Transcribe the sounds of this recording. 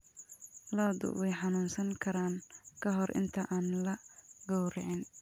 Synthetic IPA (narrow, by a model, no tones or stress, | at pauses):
lɔːd̪ʊ̰wɛjħɑnuːnsɐŋkʰɐɾaːŋkʰɐɦɔrʔɪ̰nt̪ʰɐʔaːnlɐɡɔwɾɛʕɪn